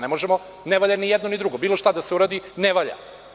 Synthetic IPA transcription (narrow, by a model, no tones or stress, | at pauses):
nemoʒemo | neʋaʎanijɛd̪nonid̪ɾuɡo̞biːlo̞ʃt̪ad̪aseuɾaːd̪ineʋaʎa̰